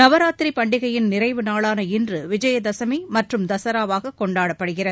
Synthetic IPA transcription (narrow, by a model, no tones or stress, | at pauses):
nɐʋɐɾaːt̪ɾipɐɳɖɪɣɐjɪnnɪrɐɪʋɯnaːɭaːnɐɪndrɯʋɪd͡ʒɐjɐd̪ɐsɐmimɐʈrɯmd̪ɐsɐɾaːʋaːɣɐkːɔɳɖaːɽɐpːɐɽɯɣɪrɐ